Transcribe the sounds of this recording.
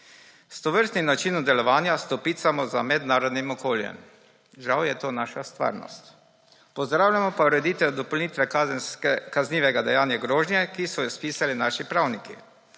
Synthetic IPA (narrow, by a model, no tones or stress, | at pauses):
st̪ɔʋəɾst̪nimnat͡ʃiːnɔmd̪ɛlɔʋaːnjast̪ɔpiːt̪samɔzamɛd̪naːɾɔd̪nimɔkoːljɛ̰m | ʒawjɛt̪oːnaːʃast̪ʋa̰ːɾnɔ̰st̪ | pɔzd̪ɾaːwlʲjamɔpauɾɛd̪iːt̪ɛwd̪ɔpɔwlniːt̪ʋɛznsɛkazniːʋɛɡad̪ɛjaːnjaɡɾoːʒnjɛkisɔjɔspiːsalinaːʃipɾawniki